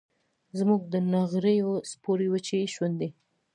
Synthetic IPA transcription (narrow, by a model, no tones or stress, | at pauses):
zmuɡ̚d̪ənaɣɾejospoɾiwət͡ʃeʃwand̪e